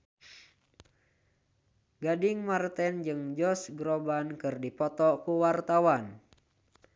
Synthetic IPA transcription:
ɡadiŋmart̪ɛnd͡ʒɨŋd͡ʒɔsɡɾobankɨrdipɔt̪ɔkuwart̪awan

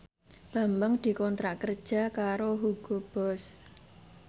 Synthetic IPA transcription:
b̥a̤mbəŋd̪̥i̤kɔnt̪ɾaʔkərd̥ʒ̥a̤kaɾoɦuɡ̥ob̥ɔs

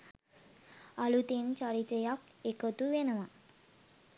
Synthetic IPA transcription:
alut̪ent͡ɕaɾit̪əjak | ekət̪uʋenəʋa

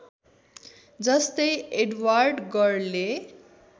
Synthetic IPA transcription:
d͡zʌst̪ʌjeɖwarɖɡʌrle

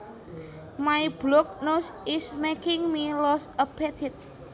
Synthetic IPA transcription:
majblɔk̚nosɪsmekɪŋmilɔsəpɛt̪ʰit̪̚

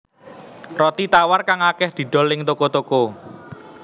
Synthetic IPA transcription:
rɔt̪it̪awarkaŋakɛhd̪̥i̤ɖ̪̥ɔ̤lːɪŋt̪okot̪oko

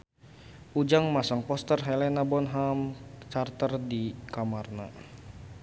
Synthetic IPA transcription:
ʔud͡ʒaŋmasaŋpɔst̪ərɦɛlɛnabɔnɦamt͡ʃart̪ərdikamarna̰

